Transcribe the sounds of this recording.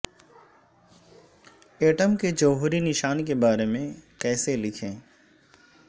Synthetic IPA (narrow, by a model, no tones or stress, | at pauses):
eːʈəmked͡ʒəːɦʊɾinɪʃaːnkebaːɾemẽkɛːselɪkʰẽː